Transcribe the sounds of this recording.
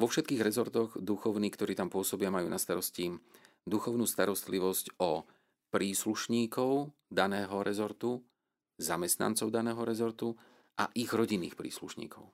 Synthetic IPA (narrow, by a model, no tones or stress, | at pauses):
ʋɔfʃɛt̪kiːɣɾɛzɔɾt̪ɔɣd̪uxɔʊniːkt̪ɔɾiːt̪ampʊɔsɔbɪamajṵːnast̪aɾɔsci | d̪uxɔʊnuːst̪aɾɔst̪liʋɔscɔ | pɾiːsluʃɲiːkɔʊ | d̪anɛːɦɔɾɛzɔɾt̪u | zamɛst̪na̰nt͡sɔʊd̪anɛːɦɔɾɛzɔɾt̪u | ʔa̰ʔiɣɾɔɟinːiːxpɾḭːslṵʃɲḭːkɔ̰ʊ